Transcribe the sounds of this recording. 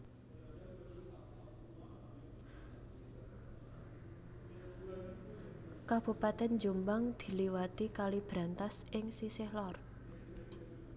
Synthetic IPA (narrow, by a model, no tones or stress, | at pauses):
kab̥upat̪ɛnd͡ʒumbaŋd̪̥i̤liwat̪ikalib̥ɾant̪asɪŋsisɪhlɔr